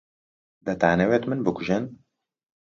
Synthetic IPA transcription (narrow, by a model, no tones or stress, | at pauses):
d̪ɐt̪a̰ːnɛweːt̪mɨnbɨkʷʊʒɛn